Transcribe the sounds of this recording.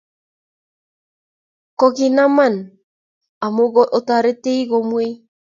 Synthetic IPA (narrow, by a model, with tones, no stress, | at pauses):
kɔ˨ɣi˨na˦ma˦˨n | a˨mo˦ɣɔ˦ʔo˨ta˨ɾe˦te˦i˦ɣo˨mwe˦i˦